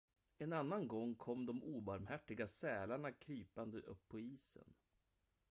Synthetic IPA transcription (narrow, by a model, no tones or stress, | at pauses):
ɛnanːanɡɔŋːkʰɔmd̪ɔmʔuːbaɾmhæʈːɪɡasɛːlaɳakʰɾyːpand̪əʔɵpʰːɔiːsə̰n